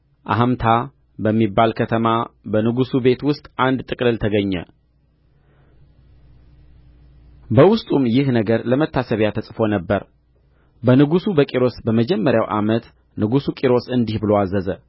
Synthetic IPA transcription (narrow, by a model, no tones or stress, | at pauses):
ʔa̰ɦmt̪ʰa | bəmːibːalkʰət̪ʰəmabənɨɡusube̞t̪wʊst̪ʼand̪t̪ʼɨkʼlɨlt̪ʰəɡəɲːɛ̰ | bəwʊst̪ʼumjɪhnəɡəɾləmət̪ʰːasəβjat̪ʰəsʼfo̞nəbːəɾ | bənɨɡusubəkʼiɾo̞sbəməd͡ʒɛmːəɾjawʔa̰mət̪ | nɨɡusukʼiɾo̞sɨnd̪ihbɨloazəzə